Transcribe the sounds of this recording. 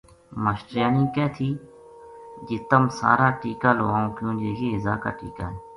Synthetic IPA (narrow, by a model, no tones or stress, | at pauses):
məʃʈɾjaːnĩːkɛːt̪ʰiː | d͡ʒɪt̪əmsa̰ːɾaːʈiːkaːlo̰ːaːõːkjõːd͡ʒeːjeːɪzaːka̰ːʈḭːka̰ːɦeː